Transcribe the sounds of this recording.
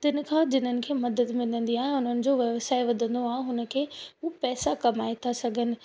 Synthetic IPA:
t̪ɪnɪ̆kʰãːd͡ʑɪn̤ənɪ̆kʰeːmɐd̪əd̪mɪ̃nə̃nd̪iaːɦẽʊn̤ənɪ̆d͡ʑoːʋɐʋsaːɪʋɐd̪ʱə̃nd̪oaːɦẽɦʊnə̆kʰeːɦupɛːsakɐmaːet̪ʰasɐɡʱənɪ̆

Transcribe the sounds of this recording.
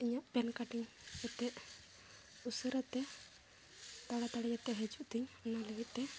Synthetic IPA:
iɲaʔpɛnkaʈiɲd͡ʒɛt̪ɛʔ | usəɾat̪ɛ | t̪aɽat̪aɽɛd͡ʒɛt̪ɛʔɦɛd͡ʒuʔt̪iɲɔnaləɡit̪̚ˀt̪ɛ

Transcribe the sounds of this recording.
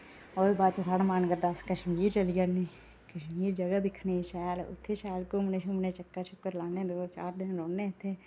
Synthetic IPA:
oːbaːd̪t͡ʃosaːɽaːmaːnkəɾd̪askəʃmiːɾt͡ʃəlid͡ʒaniː | kəʃmiːɾd͡ʒəɡad̪ɪkʰneːʃɛːlʊ̰t̪ʰːeːʃɛːlkʊmneːʃʰʊmneːt͡ʃəkːat͡ʃʰʊkːəɾlaːnẽːd̪oːt͡ʃa̰ːɾd̪ɪnɾɔːnːeːʊt̪ʰːeː

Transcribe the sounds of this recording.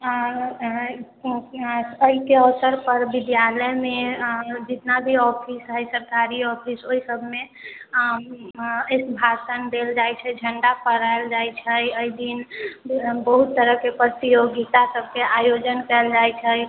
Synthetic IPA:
əɦikeəsəɾpəɾbid̪jaləmed͡ʒit̪nabʱiɔpʰisɦəjsəɾkaɾiɔpʰisoɦisəbʱme | esbʱasənd̪eld͡ʒajt͡ʃʰɛd͡ʒʱəɳɖapəɾaeld͡ʒajt͡ʃʰəjəjd̪in | bəɦut̪ːəɾəkepɾət̪ijoɡit̪asəbʱkeajod͡ʒənkɛld͡ʒajt͡ʃʰə

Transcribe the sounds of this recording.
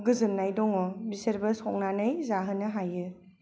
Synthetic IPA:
ɡɯzɯnnajdɔŋɔbiseɾbɐsɔŋ̚nanɯjzaɦɯnɯɦajɯ

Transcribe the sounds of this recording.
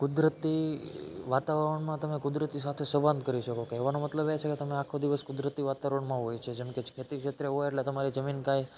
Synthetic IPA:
kʊd̪ɾət̪i | ʋat̪aʋəɾəɳmãt̪əmekʊd̪ɾət̪isat̪ʰesəbãnd̪̚kəɾiʃəkokeːʋanomət̪ləbet͡ʃʰeket̪əmeakʰod̪iʋəskʊd̪ɾət̪iʋat̪aʋəɾəɳmãɦojt͡ʃʰed͡ʒemked͡ʒkʰet̪ikʃet̪ɾəɦojeʈlet̪əmaɾid͡ʒəminkaj

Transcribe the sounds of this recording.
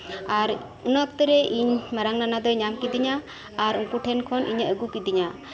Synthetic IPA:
aɾ | unɔk̚t̪ɛɾɛʔiɲmaɾaŋnanad̪ɔɲamkid̪iɲaː | ɾuŋkuʈʰɛnkʰɔnʔḭɲəɡukid̪iɲa

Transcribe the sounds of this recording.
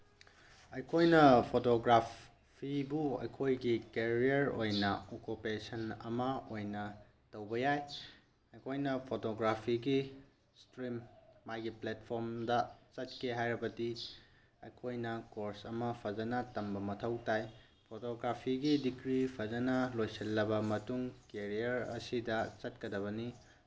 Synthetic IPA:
ɐjkʰojnɐpʰotoɡɾap | pʰibuɐ̰jkʰojɡikeɾiɐɾojnɐokupesɐnɐ̰mɐojnɐ | tɐwbɐjaj | ɐjkʰojnɐpʰotoɡɾapʰiɡi | stɾimːajɡiplet̚pʰoɾmdɐt͡ʃɐt̚kʰeɦajɾɐbɐdi | ɐ̰kʰojnɐkoɾsɐmɐpʰɐzɐnɐtɐmbɐmɐtʰɐwtaj | pʰotoɡɾapʰiɡidikɾipʰɐzɐnɐlojsɐlːɐbɐmɐtuŋkeɾijɐɾɐ̰sidɐt͡ʃɐt̚kɐdɐβɐni

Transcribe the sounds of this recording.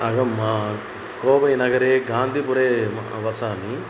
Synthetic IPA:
ɐɡɐma | koːbɐjinɐɡɐɾeɡaːnd̪ʱiːpuɾeːʋɐsaːmi

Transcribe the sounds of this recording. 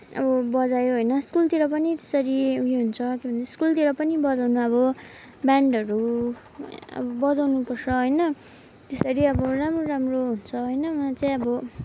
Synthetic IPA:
ʌ̰bʌbʌd͡zajoɦʌjnʌskult̪iɾʌpʌnit̪esʌɾiuɦeɦunt͡sʰʌkjobʱʌneskult̪iɾʌpʌnibʌd͡zawnuʌβʌ | baɳɖʌɾu | ʌ̰bʌbʌd͡zawnupʌrt͡sʰʌɦʌjnʌ | t̪esʌɾiʌbʌramroɾamroɦunt͡sʰʌɦʌjnʌuat͡saĩʌbʌ

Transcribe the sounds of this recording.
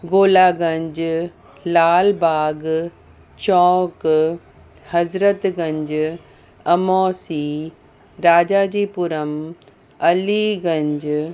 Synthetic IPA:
ɡoːlaːɡɐ̃ɲd͡ʑ | laːlbaːɡ | t͡ɕɔːk | hɐzɾət̪ɡɐ̃ɲd͡ʑ | ɐmɔːsiː | ɾaːd͡ʑaːd͡ʑiːpʊɾəm | ɐliɡɐ̃ɲd͡ʑ

